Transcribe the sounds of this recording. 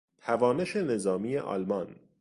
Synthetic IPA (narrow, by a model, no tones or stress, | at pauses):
t̪ʰævɒːne̞ʃe̞ne̞zɒːmijeʔɒ̰ːlmɒn